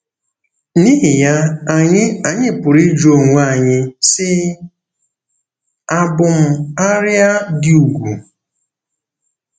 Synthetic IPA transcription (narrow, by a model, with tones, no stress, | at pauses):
ni˦ɦɪ˨ja˦a˨ɲɪ˦a˨ɲɪ˦pʊ˨ɾi˦d͡ʒo˦˨ŋʷ˨˦a˨ɲɪ˦sɪ˦ | a˨bʊ˨m̩˨a˦ɾja˦dɪ˦u˨ɡʷu˨